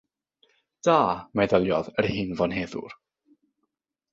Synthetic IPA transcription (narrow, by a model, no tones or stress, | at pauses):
d̥aːmɛðəlˠjɔðərhɨːnvɔnɦeːðʊ̰r